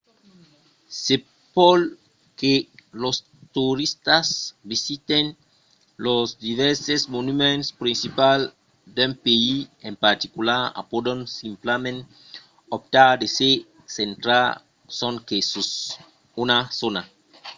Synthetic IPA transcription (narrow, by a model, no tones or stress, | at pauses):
se | pol | kelos | t̪uɾist̪asbisit̪en | lozd̪iveɾsezmonumẽnspɾinsipal | d̪empeiempaɾt̪ikulaɾa̰pod̪onsimplamẽn | op̚t̪aɾd̪ese | sent̪ɾa | soŋkesos | unasona